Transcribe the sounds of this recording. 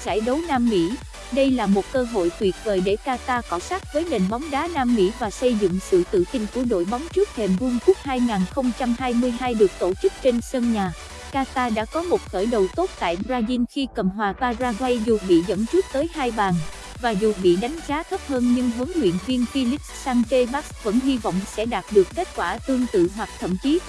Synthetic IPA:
sa̰ː˧˩jɗə˨˦wnaː˧mːḭ˧˥ | ɗə˧jlaː˨˩mo˨˩t̚kəː˧ɦo̰˧˨jt̪wi˨˩ət̚veː˨˩jɗe˧˩kaː˧t̪aː˧kɔ˨˦sa˦˥k̚vəː˨˦jne˨˩nɓa˨˦wŋ͡mɗaː˨˦naː˧mːḭ˧˥vaː˨˩sə˧jzɨ̰˧˨ŋsɨ̰˧˨t̪ɨ̰˧˨t̪ï˧ŋ̟ku˧˩əɗo̰˧˨jɓa˨˦wŋ͡mt͡ɕɨ˦˥k̚t̪ʰɛ˨˩mvu˧ŋku˦˥ək̚haː˧jŋaː˨˩nxə˧wŋ͡mt͡ɕa˧mhaː˧jmɨ˧əjhaː˧jɗɨ˨˩ək̚t̪o˧˩t͡ɕɨ˦˥k̚t͡ɕe˧nsəː˧ŋɲaː˨˩ | kaː˧t̪aː˧ɗa̰ː˧˥kɔ˨˦mo˨˩t̚xəː˧˩jɗə˨˩wt̪o˦˥t̚t̪a̰ː˧˨jɓzaː˧zi˧nxi˧kə̰˨˩mɦwaː˨˩vaː˧zaː˧zwa˧jzu˨˩ɓḭ˧˨zə̰˧˥nt͡ɕɨ˦˥k̚t̪əː˨˦jhaː˧jɓaː˨˩n | vaː˨˩zu˨˩ɓḭ˧˨ɗa˨˦jŋ̟zaː˨˦t̪ʰə˦˥p̚həː˧nɲɨ˧ŋɦɨ˨˦ŋlwḭ˧˨ənvi˧ənfi˧lï˦˥saː˧ŋt͡ɕe˧ɓa˦˥k̚və̰˧˥nɦi˧vɔ̰˧˨wŋ͡msɛ̰˧˥ɗaː˨˩t̚ɗɨ˨˩əkke˦˥t̚kwaː˧˩t̪ɨ˧əŋt̪ɨ̰˧˨ɦwa˨˩k̚t̪ʰə̰˧˨mt͡ɕi˨˦

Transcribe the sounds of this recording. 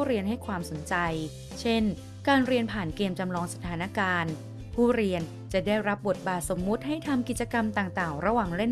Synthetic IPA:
ɾi˧ənɦa˥˩jkʰwaː˧mso˩˦nt͡ɕa˧j | t͡ɕʰe˥˩n | kaː˧nɾi˧ənpʰaː˨˩nkeː˧mt͡ɕa˧mlɔː˧ŋsa˧t̪ʰaː˩˦na˦˥kaː˧n | pʰuː˥˩ɾi˧ən | t͡ɕa˨˩da˥˩jɾa˦˥p̚bo˨˩t̪̚baː˨˩t̪̚so˩˦mːu˦˥t̪̚ha˥˩jt̪ʰa˧mki˨˩t̪̚t͡ɕa˧ka˧mt̪aː˨˩ŋt̪aː˨˩ŋɾa˧waː˨˩ŋle˥˩n

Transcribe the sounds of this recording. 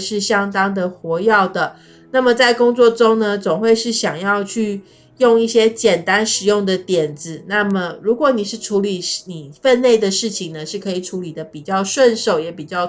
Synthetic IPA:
ʂɻ̩˥˩ɕjɑ˥ŋt̪ɑ˥ŋd̪ə˨xwɔ˧˥jɑ˥˩ʊd̪ə˩ | na˥˩mə˩t͡sa˥˩ɪkʊ˥ŋt͡swɔ˥˩ʈ͡ʂo˥ŋnə˨t͡sʊ˨˩ŋxwe˥˧ɪʂɻ̩˥˩ɕjɑ˨˩ŋjɑ˥˧ʊt͡ɕʰy˥˧ | jʊ˥˧ŋi˥˩ɕjɛ˥t͡ɕjɛ˨˩nt̪a˦nʂɻ̩˨˩jʊ˥˩ŋd̪ə˩t̪jɛ˨˩nd͡z̩˧˦na˥˩mə˩ɻu˧˥kwɔ˨˧˦ni˨˩ʂɻ̩˥˩ʈ͡ʂʰu˧˦˥li˨˩ni˨˩fə˥˧nle˥˩ɪd̪ə˩ʂɻ̩˥˩t͡ɕʰi˨ŋnə˩ʂɻ̩˥˩kʰɤ˧˥i˨˩ʈ͡ʂʰu˧˦˥li˨˩d̪ə˦pi˨˩t͡ɕjɑ˥˧ʊʂwə˥˧nʂo˨˩ʊjɛ˨˥pi˨˩t͡ɕjɑ˥˩ʊ

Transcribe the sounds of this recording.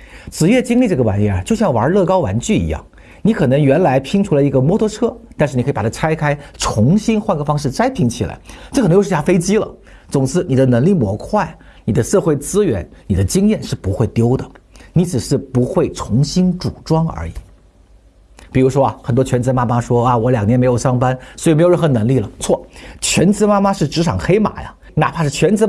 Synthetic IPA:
t͡sʰɹ̩˨˩jɛ˥˩t͡ɕi˥ŋli˥˧ʈ͡ʂɤ˥˩ɡə˩wa̰˧˥njɛ˥˩˨t͡ɕo˥˧ʊɕjɑ˥˩ŋwɐ̰˧˥lɤ˥˩kɑ˥ʊwa˧˥nt͡ɕy˥˩ḭ˧˥jɑ̰˥˩ŋ | ni˧˥kʰɤ˨˩nɤ˧˥ŋɥɛ˧˥nla˧˥ɪpʰi˥ŋʈ͡ʂʰu˧˥lə˧˩i˧˥ɡə˧mwɔ˥t̪ʰɤ˧˥ʈ͡ʂʰɤ˥t̪a˥˧ʂ̩˥˩i˨˩˧pt̪ʰt͡sʰa˥ɪkʰa˥ɪʈ͡ʂʰʊ˧˥ŋɕi˥nxwa˥˧nkɤ˥˧˩fɑ˥ŋʂ̬ɻ̩˥˩t͡sa˥ɪpʰi˧˥ŋt͡ɕʰi˨˩la̰˧˥ɪʈ͡ʂɤ˥˩˨jʰa˥fe˥ɪt͡ɕi˥lə̰˨t͡sʊ˨˩ŋt͡sʰɹ̩˥˩ni˨˩d̪ə˦nɤ˧˥ŋli˥˩mwɔ̰˧˥kʰwa˥˩ɪ | ni˨˩d̪ə˦ʂɤ˥˧xwe˥˩ɪt͡sɹ̩˥ɥɛ̰˧˥nni˨˩d̪ə˦t͡ɕi˥ŋjɛ˥˧nʂɻ̩˥˩pu˧˥xwe˥˩ɪt̪jo˥ʊd̪ə˨ni˧˥t͡sɹ̩˨˩ʂɻ̩˥˩pu˧˥xwe˥˩ɪt͡sʰʊ˧˥ŋɕi˥nʈ͡ʂu˨˩ʈ͡ʂwɑ˥ŋə̰˞˧˥ḭ˨˩˦ | pi˨˩ɻu˧˥ʂwɔ˥a˧xə˨˩nt̪wɔ˥t͡ɕʰɛ˧˥nt͡sɹ̩˧ə˧ma˥ma˥ʂwɔ˥a˧wɔ˨˧˥ljɑ˨˩ŋnjnme˧˥ɪjʂɑ˥ŋpa˥nswi˨˩me˧˥jə˥˩xnə˧˥ŋli˥˩lə˩t͡sʰwɔ˥˩t͡ɕʰɥɛ̰˧˥nt͡sɹ̩˧˥ma˥ma˥ʂɻ̩˥˩ʈ͡ʂɻ̩˧˥ʈ͡ʂʰɑ̰˨˩ŋxe˥ɪma̰˨˩˦jɐ̰˦ | na̰˨˩pʰa˥ʂɻ̩˥˩t͡ɕʰɥɛ˧˥nt͡sɹ̩˧˥

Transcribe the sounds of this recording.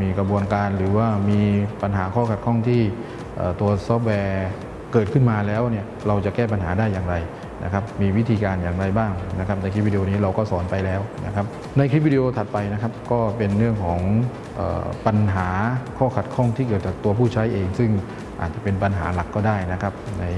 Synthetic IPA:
miː˧ka˧bu˧ənkaː˧nɾɯː˩˦waː˥˩miː˧pa˧nɦaː˩˦kʰɔː˥˩kʰa˨˩t̪̚kʰɔ˥˩ŋt̪ʰiː˥˩ | ʔə̰ː˨˩t̪u˧ɐsɔː˦˥p̚wɛː˧ | kɤː˨˩t̪̚kʰɯ˥˩nmaː˧lɛː˦˥wni˥˩ɐɾa˧wt͡ɕa˨˩ʔkɛː˥˩p̬a˧nɦaː˩˦daː˥˩jːaː˨˧ŋɾa˧j | na̰˦˥kʰa˦˥p̚miː˧wi˦˥t̪ʰiː˧kaː˧njaː˨˩ŋɾa˧jbaː˥˩ŋna˦˥kʰa˦˥p̚na˧jkʰɾi˦˥p̚i˧i˧oː˧niː˦˥ɾa˧wkɔː˥˩sɔː˩˦npa˧jlɛː˦˥wna̰˦˥kʰa˦˥p̚ | na˧jkʰɾi˦˥wi˧i˧ʔoː˧t̪ʰa˨˩t̪̚pa˧jna˦˥kʰa˦˥p̚kɔː˥˩pe˧nɾɯ˥˩əŋkʰɔː˩˦ŋ | ʔə̰ː˨˩pa˧nɦaː˩˦kʰɔː˥˩kʰa˨˩t̪̚kʰɔ˥˩ŋt̪ʰiː˥˩kɤː˨˩t̪̚t͡ɕaː˨˩t̪u˧ɐpʰuː˥˩t͡ɕʰa˦˥jʔeː˧ŋsɯ˥˩ŋ | ʔa̰ː˨˩t̪̚t͡ɕa˨˩pe˧npa˧nɦa̰ː˩˦la˨˩kːɔː˥˩daː˥˩jna˦˥kʰa˦˥p̚na˧j

